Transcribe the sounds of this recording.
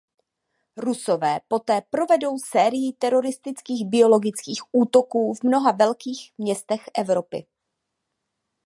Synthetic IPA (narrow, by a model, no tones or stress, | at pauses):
ɾusovɛːpo̞t̪ɛːpɾo̞vɛdo̞wsɛːɾɪjɪt̪ɛɾo̞ɾɪst̪ɪt͡skiːɣbɪo̞lo̞ɡɪt͡skiːxʔuːt̪o̞kuːvmno̞ɦavɛlkiːxmɲɛst̪ɛxʔɛvɾo̞pɪ̰